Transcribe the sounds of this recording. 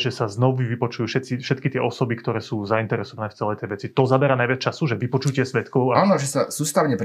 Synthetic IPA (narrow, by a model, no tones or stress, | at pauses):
ʒɛsaznɔʋiʋipɔt͡ʃujuːfʃɛt̪t͡sifʃɛt̪kit̪ɪɛʔɔsɔbikt̪ɔɾɛːsuːzaint̪ɛɾɛsɔʋanɛːft͡sɛlɛjt̪ɛjʋɛt͡sit̪ɔzabɛɾanajʋat͡st͡ʃasuʒɛʋipɔt͡ʃucɪɛsʋɛt̪kɔʊaanɔʒɛsasuːst̪aʊɲɛpɾ